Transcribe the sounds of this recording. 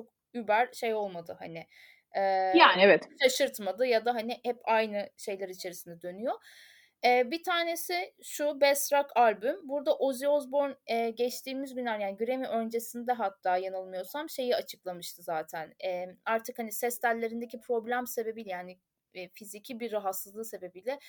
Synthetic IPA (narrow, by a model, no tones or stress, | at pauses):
t͡ʃʰok̚ | ybæɾʃejo̞lˠmad̪ɯha̰nɪ | ɛːjaːnevɛt̪ʃaʃɯɾt̪mad̪ɯjad̪aɦanɪhɛpajnɯʃe̞jlʲaɾit͡ʃʰe̞ɾisind̪ɛd̪ø̞nyjo | ɛːbit̪ʰaːne̞sɪʃubɛst̪ɾakalʲbymbuɾd̪aʔoziozbo̞ɾnɛɟɛt͡ʃt̪ʰiːmizbinʲaɾjaːniɟyɾe̞miʔønd͡ʒe̞sind̪ɛɦat̪ʰːaːjanɯlˠmɯjo̞samʃe̞jiat͡ʃʰɯklˠamɯʃt̪ʰɯzaːt̪ʰænɛːaɾt̪ʰɯkhanisɛst̪ʰælʲːe̞ɾind̪ecʰipʰɾo̞blʲæmse̞be̞bilʲɛjaːnɪ | fizicʰibiɾːaɦat̪sɯzlˠɯse̞be̞bilʲɛ